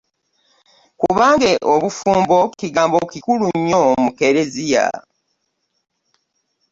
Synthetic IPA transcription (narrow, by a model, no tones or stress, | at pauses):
kuβaːŋɡe̞ʔoβufuːmbo̞kiɡaːmbo̞kikuluɲːomuke̞ɾezija̰